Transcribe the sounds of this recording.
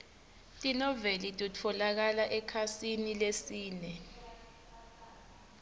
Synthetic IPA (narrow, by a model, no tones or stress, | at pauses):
tʼinɔvelitʼutʰɔlak̬alaʔɛkʰasinilesiːnɛ